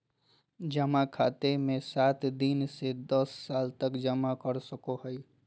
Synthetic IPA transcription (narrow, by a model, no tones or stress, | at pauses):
d͡ʒəmakʰat̪emẽsat̪d̪insed̪əsːaːlt̪əkd͡ʒəmakəɾsəkoɦəj